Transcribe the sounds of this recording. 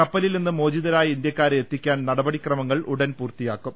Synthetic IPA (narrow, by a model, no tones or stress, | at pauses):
kɐpːɐlilninːɨmo̞ːd͡ʑiðɐɾaːjind̪jɐkːaːɾet̪ːikʲːaːnnɐɽɐbɐɽikrɐmɐŋːɐɭʔuɽɐnpuːrt̪ijaːkːum